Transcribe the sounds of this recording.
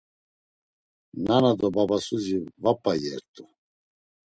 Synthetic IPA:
nanad̪ɔbabasuzivapʼajɛɾt̪ʼu

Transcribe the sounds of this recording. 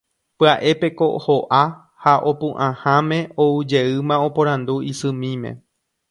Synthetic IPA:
pɨaʔe̞pe̞ko̞ʔhoʔa | haʔo̞pũʔãhãmẽ̞oud͡ʒe̞ɨmão̞põɾ̃ãnd̪uisɨ̃mĩmḛ̃

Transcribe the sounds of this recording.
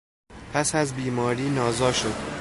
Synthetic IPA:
pʰæsæzbiːmɒːɾiːnɒːzɒːʃod̪̥

